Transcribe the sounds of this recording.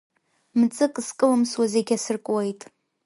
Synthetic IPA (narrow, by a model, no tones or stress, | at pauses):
mt͡sʼɨkʼskʼɨlɨmswazeɡʲasɨrkʼwejtʼ